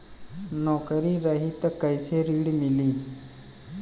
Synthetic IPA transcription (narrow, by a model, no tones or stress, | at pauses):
nɔkəɾiɾəɦit̪əkːəjseɾiɽmiliː